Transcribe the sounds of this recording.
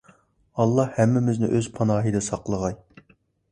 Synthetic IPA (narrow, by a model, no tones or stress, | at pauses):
ɑlˠːɑhhɛmːɪmɪznɪ̰ʔøz̥pʰɑnɑːɦid̪ɨsɑqlˠəʁɑj